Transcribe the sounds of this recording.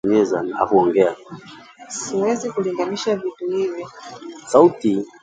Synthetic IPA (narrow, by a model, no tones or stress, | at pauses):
ɲɛzana̰huɔŋɡɛa | siwɛzikuliŋɡaniʃavituhivisauti